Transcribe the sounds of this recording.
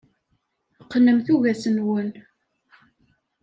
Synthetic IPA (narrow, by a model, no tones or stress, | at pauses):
qːnːəmθuʝæsənwən